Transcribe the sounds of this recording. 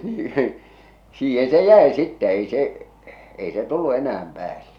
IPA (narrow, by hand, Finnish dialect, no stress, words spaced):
niː siːhe se jæˑe sitːɛ ei seʔ ei se tulːu enææm pæːlːe